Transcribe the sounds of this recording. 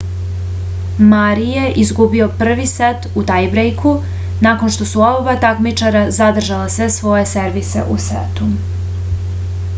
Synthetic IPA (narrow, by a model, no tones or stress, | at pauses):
maɾije̞ʔizɡubio̞pr̩ʋiset̪ut̪ajbɾejkʰu | nako̞nʃt̪o̞suobobat̪akmit͡ʃaɾazad̪r̩ʒalasʋe̞sʋo̞je̞seɾʋise̞̰ʔusḛt̪u